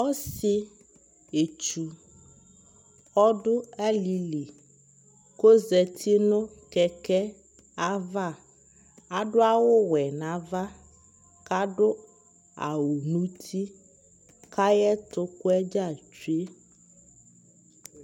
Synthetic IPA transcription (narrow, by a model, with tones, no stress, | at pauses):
ɔ˦sɪ˦ | e˨t͡ʃu˨ | ɔ˦ɖʊ˦ɛ˦li˨li˨ | ko˦zɛ˨t̪ʰi˦nʊ̃˦kɛ˨kɛ˦ | a˦va˦˨ | a˨ɖʊ˦a˦wʊ˦wɛ˨nã˨va˦ | ka˦ɖʊ˦ | a̰˨wʊ˨nũ˦tʰi˦ | kʰa˦jɛ˦t̪ʊ˦kʊ˦ɛ˦d͡ʒa˦˨t͡ʃu˦e˦